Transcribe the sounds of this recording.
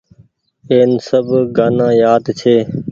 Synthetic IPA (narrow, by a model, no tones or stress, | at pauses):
eːnsəbɡaːnãːjaːd̪t͡ʃʰeː